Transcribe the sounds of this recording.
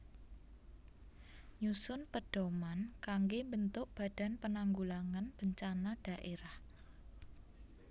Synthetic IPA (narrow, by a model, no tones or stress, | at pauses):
ɲusʊnpəɖ̥o̤mankaŋɡembənt̪ʊʔb̥a̤d̥a̤npənaŋɡulaŋanb̥əɲt͡ʃanad̥a̤ʔeɾah